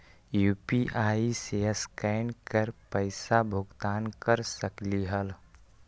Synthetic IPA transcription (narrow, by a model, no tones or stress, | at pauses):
juːpiʔaːiseəskɛːɪnkəɾpəɪsabʱʊɡt̪aːnkəɾsəkliɦəl